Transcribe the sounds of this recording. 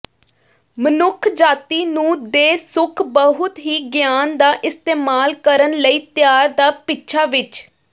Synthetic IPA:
mənʊkʰd͡ʒaːt̪iːnũːd̪eːsʊkʰbəɦʊt̪ɦiːɡjaːnd̪aːʔɪst̪eːmaːlkəɾənləiːt̪ɪjaːɾd̪aːpɪtːʃʰaːʋɪt͡ʃ

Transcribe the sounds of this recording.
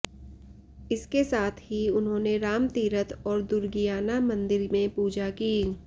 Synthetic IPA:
ɪskesaːt̪ʰɦiʊnɦõːneɾaːmt̪iːɾət̪ɔːɾd̪ʊɾɡijaːnamɐ̃nd̪ɪɾmẽpuːd͡ʒakiː

